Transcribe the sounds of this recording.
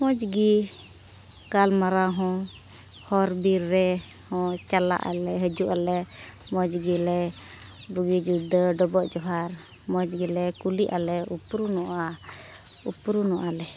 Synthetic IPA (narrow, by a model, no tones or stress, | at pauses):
mɔ̃d͡ʒɡi | kalmaɾaɦɔ̃ | hɔɾbiɾːɛ | hɔ̃t͡ʃala̰ʔa̰lɛɦəd͡ʒuʔalɛ | mɔ̃d͡ʒɡilɛ | buɡid͡ʒud̪əɖɔbɔʔd͡ʒɔɦaɾ | mɔd͡ʒɡilɛkuliʔalɛupɾunɔʔa | upɾunɔʔalɛ